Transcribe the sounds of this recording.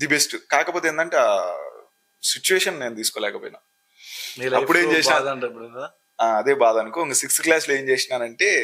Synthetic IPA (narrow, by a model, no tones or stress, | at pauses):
d̪ibesʈukaːkɐpoːt̪eːnd̪ɐɳʈeːaː | sit͡ʃuʋeːʂɐnne̞ːnut̪iːsukoːlɛːkɐpoːjina̰ː | ɐpːuɽeːt͡ʃeːsinaːɳʈɐpuɽ | aːɐd̪e̞ːbaːd̪ɐnukoiŋkɐsiksklaːsle̞ːmt͡ʃeːsinaːnɐɳʈe̞ː